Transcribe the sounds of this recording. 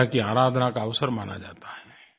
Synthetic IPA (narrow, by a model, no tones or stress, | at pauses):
akiaːɾaːd̪ʱnakaɐʋsəɾmaːna̰d͡ʒa̰ːt̪ḁɦɛː